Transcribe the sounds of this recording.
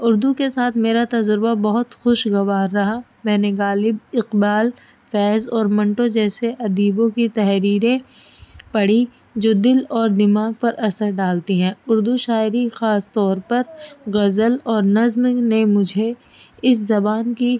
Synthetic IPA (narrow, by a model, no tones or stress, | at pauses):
ʊɾd̪ukesaːt̪ʰmeːɾat̪ɐd͡ʒɾɪbabɐɦʊt̪xʊʃɡɐʋaːɾːɐɦa | mɛ̃ːneɣaːlɪbɪqbaːl | fɛːzɔːɾmɐ̃ɳʈõd͡ʒɛːseʔɐd̪iːbõkit̪ɛɦɾiːɾẽ | pɐɽi | d͡ʒoːd̪ɪlɔːɾd̪ɪmaːɡ̚pɐɾʔɐɾsəɾɖaːlt̪iɦɛ̃ːʊɾd̪uʃaːɪɾixaːst̪ɔːɾpɐɾɣɐzəlɔːɾnɐzmnemʊd͡ʒʱe | ɪszɐbaːnki